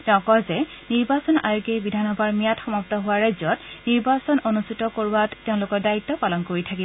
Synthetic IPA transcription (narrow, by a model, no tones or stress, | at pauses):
tɔkɔzɛ | niɹbasɔna̰jʊɡebidʱanɔbʱaɹmijatxɔmap̚tɔɦʊwaɹajzɔtniɹbasɔnonustʰitɔkoɹuwatteʊ̃lʊkɔdaitːɔpalɔnkoɹitʰaki